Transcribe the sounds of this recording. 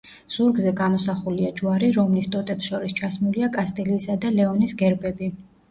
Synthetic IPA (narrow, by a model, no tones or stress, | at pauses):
suɾɡzɛɡamɔsaχuliad͡ʒuwaɾiɾɔmlist̪ʼɔt̪ʼɛpsʃɔɾist͡ʃʰasmuliakʼast̪ʼɛliːsad̪alɛɔnisɡɛɾbɛbi